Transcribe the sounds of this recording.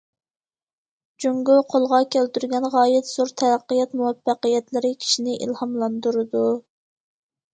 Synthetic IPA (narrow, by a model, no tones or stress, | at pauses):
d͡ʒuŋɡuqʰolˠʁɑkʲʰælt̪yɾɡʲɛnʁɑːjɪt̪z̥oɾt̪ʰɛlæqːəjɛt̪muwɛfːæqəjɛt̪lɪɾɪkʲʰi̥ʃinɪʔḭlhɑmlˠɑnd̪uɾɨd̪u